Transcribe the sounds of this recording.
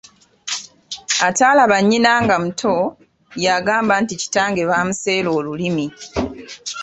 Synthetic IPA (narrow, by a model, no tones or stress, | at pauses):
ataːlaβaɲːinaːŋɡam̩tʰo | jaɡaːmbantici̥taːŋɡe̞βaːmuse̞ːlo̞ːlulimi